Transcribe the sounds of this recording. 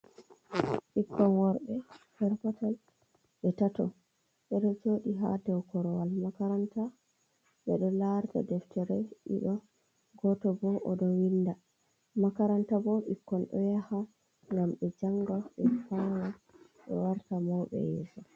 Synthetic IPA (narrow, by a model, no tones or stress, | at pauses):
ɓikʰːɔnwɔɾbɛhɛɾpɔtal | ɓɛtatɔ | ɓɛɗɔd͡ʒoːɗiɦa̰dɛwkɔɾɔwalmakaɾanta | ɓɛɗɔlaɾta̰dɛftɛɾɛɗḭɗɔ | ɡɔtɔbɔʔɔɗɔwinda | makaɾantabɔɓikːɔnɗɔ̰jaha | ŋɡamɓɛd͡ʒaŋɡaɓɛfawa | ɓɛ̰waɾtamawɓɛ̰jɛ̰ːsɔ